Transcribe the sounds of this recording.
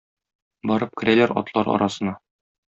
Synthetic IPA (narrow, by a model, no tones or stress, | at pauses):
bɒɾɤp̚kɘ̆ɾʔælæɾɒ̰t̪lˠɑɾɒ̰ɾʔɑsɤ̆nɑ